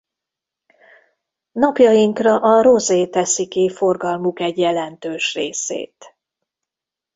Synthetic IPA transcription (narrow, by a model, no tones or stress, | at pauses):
nɒpjɒjiŋkrɒʔɒɾo̞zeːt̪ɛsikifo̞rɡɒlmukɛɟjɛlɛnt̪øːʃrḛːsḛːt̪